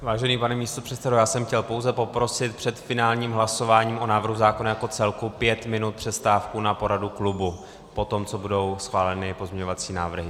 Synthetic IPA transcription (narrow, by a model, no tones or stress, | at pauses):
vaːʒɛniːpanɛmiːst̪o̞pr̥ɛt̪sɛdojaːsɛmxcɛlpo̞wzɛpo̞pɾo̞sɪt̪̚pr̥ɛt̪fɪnaːlɲiːmɦlaso̞vaːɲiːmʔo̞naːvr̩ɦuzaːko̞najako̞t͡sɛlkupjɛt̪mɪnut̪̚pr̥ɛst̪aːfkunapo̞ɾaduklubu | po̞t̪o̞mt͡so̞budo̞wsxvaːlɛnɪpozmɲɛɲo̞vat͡siːnaːvr̩ɦɪ